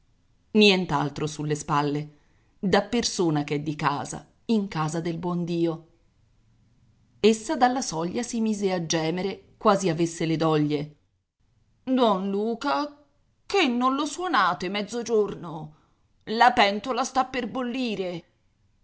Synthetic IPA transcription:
njɛnt̪alt̪ɾosulːespalːe | d̪apːersoːnakɛd̪ːika̰ːza̰ | iŋkaːzad̪elbwɔnd̪iːo | esːad̪alːasɔʎːasimiːzead͡ʒːɛːmeɾekwaːziavesːeled̪ɔʎːe | d̪wɔnluːka | kenːonloswonaːt̪emɛd̪zːod͡ʒorno | lapɛnt̪olast̪apːerbolːiːɾe

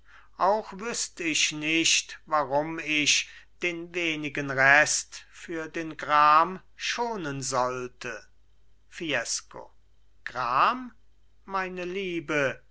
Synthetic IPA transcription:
ʔaʊxvʏst̪əɪʃnɪʃtvaʁʊmɪʃd̥eːnveːnɪɡənʁɛstfyːɐdeːnɡʁaːm | ʃoːnənzɔltʰə | fiɛsko̰ | ɡ̥ʁaːmː | aɪnəliːbə

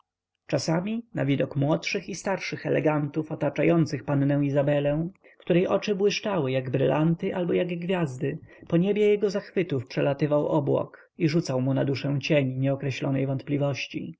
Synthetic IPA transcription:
t͡ʂasamʲina̰vʲid̪ɔkmwɔtʂɘxist̪aɾʂɘxɛlɛ̰ɡant̪ufɔt̪at͡ʂajɔnt̪sɘxpanːɛ̃w̃izabɛlɛ̃w̃ | kt̪uɾɛjʔɔt͡ʂɘbwɘʂt͡ʂawɘjaɡbɾɘlʔant̪ɘʔalbɔjaɡɡvʲjazd̪ɘpɔɲebʲjɛjɛɡɔzaxfɘt̪ufpʂɛlat̪ɘvawʔɔbwɔ̰k | iʐut̪sawmunad̪uʂɛ̃w̃t͡ɕeɲɲɛɔkɾɛɕlɔnɛjvɔnt̪̚plʲivɔɕt͡ɕḭ

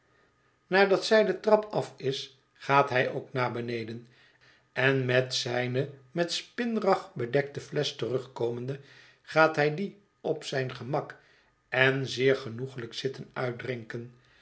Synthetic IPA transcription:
naːɹdɑtsɛjdətrɑpʰɑfɪs | χaːtɦɛjʔoʊknaːbənejdən | ɛnmɛtsɛjnəmɛtspɪnrɑχbədɛk̚təflɛstərɵχkowməndə | χaːtɦɛjdi | ɔpsɛjnχəmɑk | ɛnzɪːɹχənuχələksɪtənœɥt̚drɪŋkən

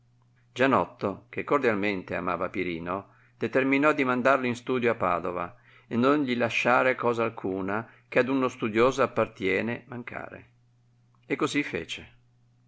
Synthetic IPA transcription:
d͡ʒanɔt̪ːokekːord̪jalment̪ea̰ma̰ːvapiɾiːno | d̪̥et̪erminɔd̪ːimand̪arloinst̪uːd̪joapːa̰ːd̪ova̰ | enːonʎilaʃːaːɾekɔːzaːlkʰuːna | kead̪unost̪ud̪joːzoapːart̪jɛːnemaŋkʰa̰ːɾḛ | ekːozifːḛːt͡ʃe

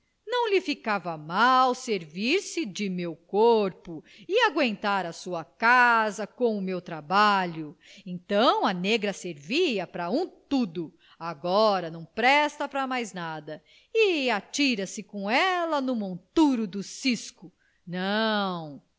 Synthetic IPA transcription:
nɐ̃w̃lɪfikavɐmawseɾviɾsɪd͡ʒɪmewkoɾpʊ | ɪaɡwẽnt̪aɾɐsuɐkazɐkõw̃ʊmewt̪ɾabaʎʊẽnt̪ɐ̃w̃ɐneɡɾɐseɾviɐpɾɐũt̪ud̪ʊ | aɡɔɾɐnɐ̃w̃pɾɛst̪ɐpɾɐmajznad̪ɐ | ɪat͡ʃiɾɐsɪkõɛlɐnʊmõnt̪uɾʊd̪ʊsiskʊ | nɐ̃w̃

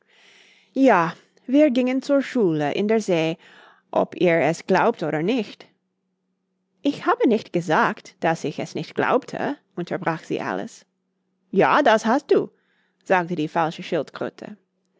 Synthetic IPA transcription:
jaː | viːɐɡɪŋənt͡suːɐʃuːləʔɪ̰̃ndeːɐzeː | ʔɔ̰piːɹɛsɡ̥laʊp̚toːɾə˞nɪçt | ʔɪçhaːbənɪçtɡ̥əzaːktd̥asɪçɛsnɪçtɡ̥la̰ʊptʰə̰ʔʊntʰɐbʁaːxz̥ḭːʔa̰lə̰s | ja̰ːdashast̚d̥uː | z̥aːk̚tədiːfalʃəʃɪltɡ̥ʁʏ̰tʰə̰

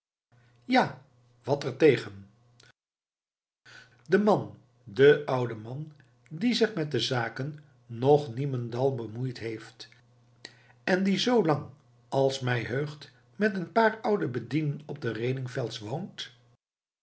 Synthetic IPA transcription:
ja | ʋɑtɛɹtejχən | dəmɑn | dəʔʌwdəmɑn | dizɪχmɛt̚dəzaːkənː | ɔχniməndɑlˠbəmujtɦejft | ɛndizowlɑŋ | ɑlˠsmɛjɦøɥχt | mɛtənpaːɹʌwdəbədindənɔb̚dərejnɪŋfɛlˠtsʋownt

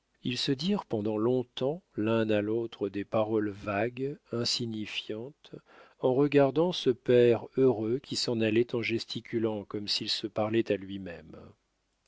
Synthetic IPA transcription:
ilsəd̪iʁpɑ̃d̪ɑ̃lɔ̃t̪ɑ̃lɛ̃nalot̪χəd̪epaʁɔlvaɡɛ̃siɲifjɑ̃t̪ | ɑ̃ʁəɡaʁd̪ɑ̃səpɛʁøʁøkʲisɑ̃nalɛt̪ɑ̃ʒɛst̪ʰikʲylɑ̃kɔmsilsəpaʁlɛt̪alɥimɛm

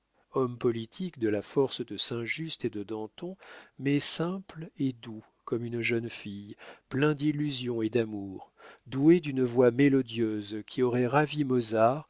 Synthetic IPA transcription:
ɔmpɔlit̪ʰikd̪əlafɔʁsd̪əsɛ̃ʒyst̪ed̪əd̪ɑ̃t̪ɔ̃mɛsɛ̃pled̪u | kɔmynʒœnfijplɛ̃d̪ilːyzjɔ̃ed̪amuːʁd̪ued̪ynəvwamelɔd̪jøzkʲʰiɔʁɛʁavimɔzaʁ

